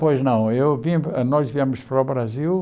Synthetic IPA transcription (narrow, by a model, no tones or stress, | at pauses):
pojʒnɐ̃w̃ewvinɔʒviɛmʊʃpɾaβɾazilˠ